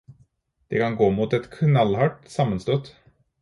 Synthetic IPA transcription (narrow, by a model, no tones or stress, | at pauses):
d̪̥ekʰɑnɡoːmut̪ɛt̪kʰnɑlːhɑʈsɑmːənst̪ɔt̪ː